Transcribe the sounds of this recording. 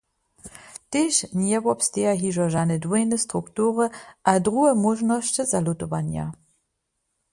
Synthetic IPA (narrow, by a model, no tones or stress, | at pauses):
teʃnjɛvɔpsteaɦiʒɔʒanədwejnəstʁuktuːʁəʔadʁuəmɔʒnɔʃt͡ɕəzalutɔvanja̰